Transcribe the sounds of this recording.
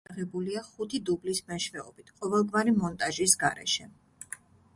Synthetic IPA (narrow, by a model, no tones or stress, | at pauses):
ʁɛbuliaχut̪ʰid̪ublismɛʃvɛɔbit̪ʰqʼɔvɛlˠɡvaɾimɔnt̪ʼaʒisɡaɾɛ̰ʃɛ